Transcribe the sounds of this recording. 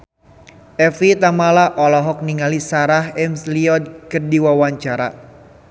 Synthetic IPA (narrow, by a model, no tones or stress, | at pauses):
ʔɛfit̪amalaʔɔlɔɦɔk̚niŋalisaɾahɛmsliɔd̪̚kərdiwawaɲt͡ʃaɾa̰